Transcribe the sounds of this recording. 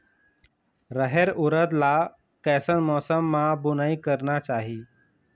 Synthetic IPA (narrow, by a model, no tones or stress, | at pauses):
ɾəɦeɾuɾət̪la | kɛsənmɔsəmːabunaikəɾnat͡ʃaɦiː